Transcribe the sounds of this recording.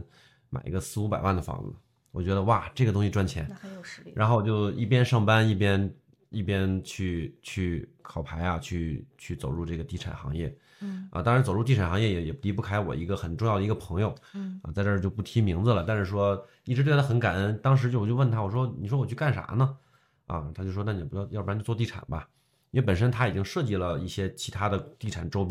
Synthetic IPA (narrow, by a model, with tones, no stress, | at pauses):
ma̰˨˩ɪʔḭ˧˥ɡə˧sɹ̩˥˧u˧˥pa˨˩ɪwa˥˩nd̪ə˩fɑ̰˧˥ŋ̩̰˨˧˩ | wɔ˨˩t͡ɕɥɛ˧˥d̪ə˧wa˥˩ʈ͡ʂɤ˥˩ɡə˩t̪ʊ˥ŋɕi˧ʈ͡ʂwa˥nt͡ɕʰjɛ̰˧˥nɻa˧˥nxo˥˩ʊwɔ˨˩t͡ɕjo˥˧ʊḭ˥˩pjɛ˥nʂɑ˥˩ŋpa˥ni˥˩pjɛ˥n | i˥˩pjɛ˥nt͡ɕʰy˥˩t͡ɕʰy˥˩kʰɑ˨˩ʊpʰa˧˥ɪja˧t͡ɕʰy˥˧t͡ɕʰy˥˩t͡so˨˩ʊɻu˥˧ʈ͡ʂɤ˥˩ɡə˩t̪i˥˩ʈ͡ʂʰa̰˨˩nxɑ̰˧˥ŋjɛ̰˥˩ | ə̰˧˩t̪ɑ˥ŋɻnt͡so˨˩ʊɻu˥˧t̪i˥˩ʈ͡ʂʰa˨˩xɑ˧ŋjɛ˥˩jɛ˨˩jɛ˨˩pli˧˥pu˥˩kʰa˥ɪwɔ̰˨˩i˧˥ɡə˧xə˨˩nʈ͡ʂʊ˥˧jd̪ə˩i˧˥ɡə˧pʰɤ˧˥ŋjo˧ʊə̰˧t͡sa˥˧ʈ͡ʂɤ˥˧jʊpu˥˩t̪ʰi˥mi˧˥ŋd͡zɹ̩˧lə˩t̪a˥˧nʂɻ̩˥˩ʂ̬wɔ˥ | i˥˩ʈ͡ʂɻ̩̬˧˥wlə˧xə˧˥nka˨˩nə˥nt̪ɑ˥ŋʂ̬ɻ̩˧˥t͡ɕjʊ˧˩t͡ɕo˥˧ʊwə˥˩nt̪ʰa˥wɔ˨˩ʂwɔ˥ni˨˩ʂwɔ˥wɔ˨˩t͡ɕʰy˥˧ka˥˩nʂa̰˧˥nə˧ | ɐ̰˧˩t̪ʰt͡ɕo˥˧˩ʂwna˥˩n˨˩˧jjpt͡ɕjwɔ˥˧t̪i˥˩ʈ͡ʂʰa̰˨˩nbɐ˦ | i˥we˥˩p̬ə˨˩nʂ̬ə˥nt̪ʰa˥i˨˩t͡ɕi˥ŋʂɤ˥˧t͡ɕi˥˩lə˩i˥˩ɕjɛ˥t͡ɕʰi˧˥t̪ʰa˥d̪ə˨t̪i˥˩ʈ͡ʂʰa˨˩nʈ͡ʂo˥ʊp